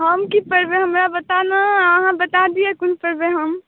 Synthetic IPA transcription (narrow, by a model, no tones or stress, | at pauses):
ɦəmkipəɾbẽɦəmɾabət̪anaəɦãbət̪ad̪iɛkʊnpəɾbeɦəm